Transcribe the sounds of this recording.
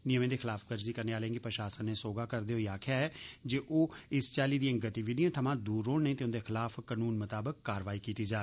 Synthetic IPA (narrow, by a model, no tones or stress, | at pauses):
nɪjəmẽːd̪eːxɪlaːfɡəɾziːkəɾneaːlẽːɡipɾəʃaːsənːeːsoːɡaːkəɾd̪eːɦoiaːkʰɪjaːɦɛːd͡ʒeːʔoːɪst͡ʃaːliːd̪iẽɡət̪iʋiːɖijãːt̪ʰəmãːd̪uːɾõːnẽːt̪eʊ̃nd̪eːxɪlaːfːənuːnmət̪aːbəkːaːɾʋaːikiːt̪iːd͡ʒaː